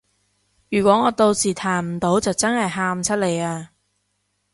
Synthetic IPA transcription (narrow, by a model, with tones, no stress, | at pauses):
jyː˨˩kʷɔː˨˥ŋɔː˨˧t̪o˧wsiː˨˩t̪ʰaː˨˩nm̩˨˩t̪o˨˥wt͡sɐ˨wt͡sɐ˥nhɐ˨jɦaː˧mt͡sʰɐ˥t̚le˨˧jaː˧